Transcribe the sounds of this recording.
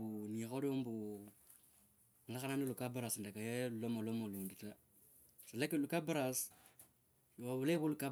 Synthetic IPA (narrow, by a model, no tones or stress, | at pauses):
unĩkɔdõmbo | ŋ̩ɡakanãnilukabaɾasndakajelɔmalɔmaludita | salakelukabaɾas | wabuleboluka